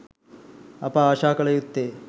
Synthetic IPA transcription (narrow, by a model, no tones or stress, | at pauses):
ɐ̰paːʃaːkɐɭɐjut̪ːe